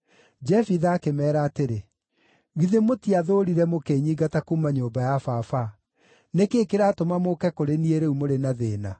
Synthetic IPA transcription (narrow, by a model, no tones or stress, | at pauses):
d͡ʒɛfiðaːkemɛːɾaːteɾe | ɣiðemotiaðoɾiɾɛmokeːɲiːɡatakumaɲoːmbajafafa | nekeːkeɾatomamokɛkoɾenieɾeumoɾenaðeːna